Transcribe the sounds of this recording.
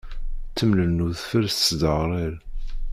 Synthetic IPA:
t͡sːəmnənuðfəɾsd̪əʁɾˤeɾ

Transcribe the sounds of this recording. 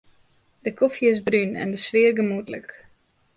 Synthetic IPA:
d̥əkʰofjəɪzbrynɛ̰ndəsʋɪərɡəmutlə̰k

